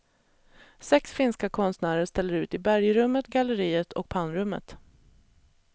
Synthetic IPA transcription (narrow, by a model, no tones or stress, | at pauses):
sɛksfɪnskakʰɔnst̪næːɾəʂt̪ɛlːəɾʉ̟ːt̪ɪbæɾjɾɵmːət̪ɡaləɾiːət̪ʰɔ̰k̚pʰanːɾɵmːə̰t̪